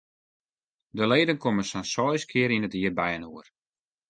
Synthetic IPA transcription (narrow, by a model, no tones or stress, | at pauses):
dəleːdənkoməsansɔjskʰɪəɾinətiərbɛjənuər